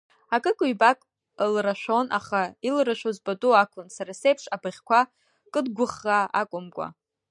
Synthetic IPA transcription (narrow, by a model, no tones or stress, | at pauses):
akʼɨkʼʊibakʼ | lraʃʷᶣo̞nʔa̰χailraʃʷᶣozbatʼuakʷʰʊnsaɾasejpʰʂabaʁʲkʷʰa | kʼɨdɡʷʊχːaa̰kʷʼʊmkʷʼa̰